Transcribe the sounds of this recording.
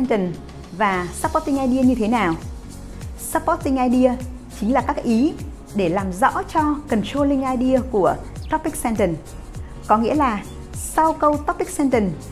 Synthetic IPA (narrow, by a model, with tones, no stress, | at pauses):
ɛ˧ntə˨˩n | vaː˨˩sa˦˥pːt̚ti˧ŋʔaː˧jɗi˧əɲɨ˧t̪ʰe˨˦naː˨˩w | sa˦˥pːɔ˦˥t̚ːi˧ŋ̟ʔaː˧jɗi˧ə | t͡ɕï˨˦ŋ̟laː˨˩kaː˦˥k̚ʔi˨˦ | ɗe˧˩laː˨˩mzɔ̰˧˥t͡ɕɔ˧kə˨˩nt͡ɕo˧lï˧ŋʔaː˧jɗi˧əku˧˩ət̪ɔ˦˥pːi˦˥k̚sɛ˧ntə˨˩n | kɔ˨˦ŋḭ˧˥əlaː˨˩ | sa˧wkə˧wt̪ɔ˦˥pːï˦˥k̚sɛ˧nt̪ə˨˩n